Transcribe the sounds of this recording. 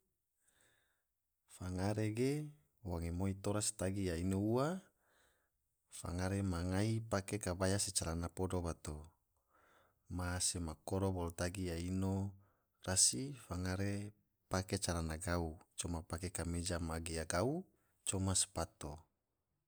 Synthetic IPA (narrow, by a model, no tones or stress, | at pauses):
faŋaɾeɡe | waŋemoit̪oɾasi̥t̪aɡijainoua | fa̰ŋaɾemaŋaipakekabajaset͡ʃaɾanapodobat̪o | masemakoɾobolot̪aɡijaino | rasifaŋaɾe | paket͡ʃaɾanaɡaut͡ʃomapakekamed͡ʒamaɡejaɡau | t͡ʃomasu̥pat̪o